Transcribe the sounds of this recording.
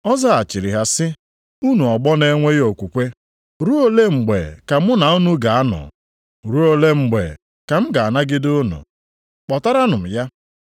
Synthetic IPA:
ɔ˦za˦a˨t͡ʃi˨ɾɪ˨ɦa˨sɪ˦ | u˦nu˨ɔ˨ɡ͡bɔ˦ne˦ŋʷe˦jo˨kʷu˨kʷe˦ | ɾu˦o˦le˦ŋ͡m̩˨ɡ͡bḛ˨ka˨m̩˦ʊ˦na˨u˦nu˦ɡa˨a˦nɔ̰˨ | ɾu˦o˦le˦ŋ͡m̩˨ɡ͡bḛ˨ | ka˨m̩˦ɡa˨a˨na˦ɡɪ˦dʊ˦nṵ˨ | k͡pɔ˨ta˦ɾa˦nʊ˨m̩˨ja˦

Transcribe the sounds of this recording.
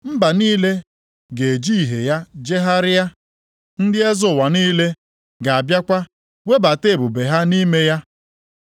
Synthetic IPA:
m̩˦ba˨niː˦le˦ | ɡe˨d͡ʒi˦˨ɦe˨ja˦d͡ʒe˦ɦa˦ɾɪ˦ja˦ | n̩˦dɪ˦e˦zʊ˨wa˨niː˦le˦ | ɡa˨a˨bja˦kʷa˦ | we˦ba˨te˦˨bʊ˨be˨ɦa˦ni˦me˦ja˦

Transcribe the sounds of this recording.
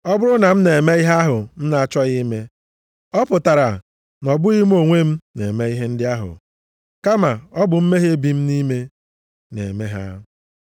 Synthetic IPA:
ɔ˦bʊ˦ɾʊ˦na˨m̩˦ne˨e˨me˦i˦ɦa˦ɦʊ˨m̩˦na˨a˦˨t͡ʃɔ˦ɣi˦me˦ | ɔ˦pʊ˨ta˨ɾa˨ | nɔ˨bʊ˦ɣi˦m̩˦o˨ŋʷe˦m̩˦ne˨me˦i˦ɦe˦n̩˦dɪ˦a˦ɦʊ̰˨ | ka˦ma˨ɔ˦bʊ˨m̩˦me˦ɦe˦bi˨m̩˦ni˦me˦ | nḛ˨me˦ɦa̰˦

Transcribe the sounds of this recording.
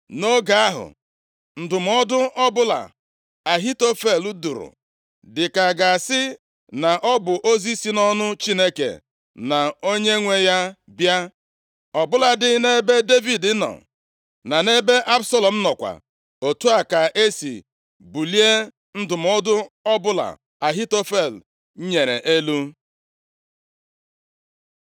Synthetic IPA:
no˦ɡa˨a˦ɦʊ̰˨ | n̩˦dʊ˨m˦ɔ˦dʊ˦ʔɔ˦bʊ˦la̰˨ | a˨ɦi˦to˦fe˦˨lu˦dṵ˨ɾʊ̰˨ | dɪ˨ka˨ɡa˨sɪ˦ | na˨ʔɔ˦bʊ˨ʔo˦zi˦si˦nɔ˦nʊ˦t͡ʃi˦ne˦kḛ˨ | na˨o˦ɲe˦ŋʷe˦ja˦ | bja˦ | ɔ˨bʊ˦la˨dɪ˦ne˦be˦de˦vi˨dɪ˦nɔ̰˨ | na˨ne˦be˦ʔa˦bsɔ˦lɔ˨m̩˦nɔ˨kʷa̰˨ | o˨tu˦a˨ka˨ʔe˦sḭ˨ | bu˨li˦e˦ | n̩˦dʊ˨m̩˨ʊ˦dʊ˦ɔ˦bʊ˦la̰˨ | a˨ɦi˦to˦fe˦˨l̩˨˦ | ɲe˨ɾḛ˨ʔe˦lu˦

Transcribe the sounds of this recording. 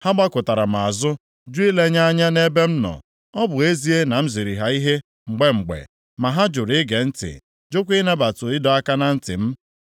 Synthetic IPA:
ha˦ɡ͡ba˦kʊ˨ta˨ɾa˨m̩˨a˨zʊ˦ | d͡ʒu˦i˦le˦ɲa˦a˦ɲa˦ne˦be˦m̩˦nɔ̰˨ | ɔ˦bʊ˨e˦zi˦e˦na˨m̩˦zi˨ɾi˨ɦa˨i˦ɦe˦ | ŋ͡m̩˨ɡ͡be˦ŋ͡m̩˨ɡ͡bḛ˨ | ma˨ɦa˦d͡ʒʊ˨ɾɪ˦ɡe˨n̩˦tɪ̰˨ | d͡ʒʊ˦kʷi˦na˦ba˨tʊ˨ɪ˦dɔ˨a˦ka˦na˨n̩˦tɪ̰˨m̩˦

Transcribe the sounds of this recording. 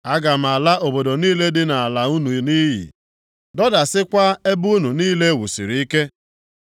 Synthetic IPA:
a˦ɡa˨m̩˨a˨la˦ʔo˨bo˨do˨niː˦le˦dɪ˦na˨a˨la˨u˦nu˨ni˦ɦḭ˨ | dɔ˦da˨sɪ˦kʷa˦e˦bu˦nu˨niː˦le˦wṵ˨sḭ˨ɾi˨i˦ke˦

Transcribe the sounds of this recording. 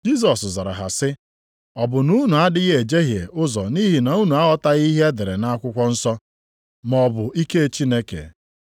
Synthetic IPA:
d͡ʒi˦s̬ɔ˨sza˨ɾa̰˨ɦa̰˨sɪ˦ | ɔ˨bʊ˨nu˦nu˨a˦dɪ˦ɣe˨d͡ʒe˦ɦje˨ʊ˦zɔ˨ni˦ɦi˨na˨u˦nu˨a˦ɔ˦ta˦ɣi˦ɦe˦e˦dɪ˨ɾe˨na˦a˦kʷʊ˦kʷɔ˦n̩˦sɔ˦ | m˨ɔ˨bʊ˨ʔi˦ke˦˨t͡ʃi˦ne˦kḛ˨

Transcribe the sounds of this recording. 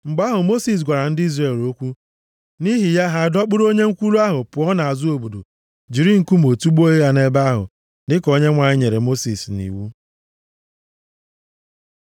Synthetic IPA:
ŋ͡m̩˨ɡ͡ba˦ɦʊ˨mo˦si˨s̬ɡʷa˨ɾa˨n̩˦dɪ˦i˦zɾe˨lo˦kʷu˦ | ni˦ɦi˨ja˦ɦa˦˨dɔ˦k͡pʊ˦ɾo˦ɲe˦ŋ̩˦kʷu˦lu˦a˦ɦʊ˨pʊ˨ɔ˦na˨a˨zʊ˦o˨bo˨do̰˨ | d͡ʒi˨ɾi˦ŋ̩˨ku˦m̩˨o˨tu˦ɡ͡bo˦e˦a˨ne˦ba˦ɦʊ̰˨ | ndɪ˦ko˦ɲe˦ŋʷa˨ɲɪ˦ɲe˨ɾe˨mo˦sḭ˨snḭ˨wu˦

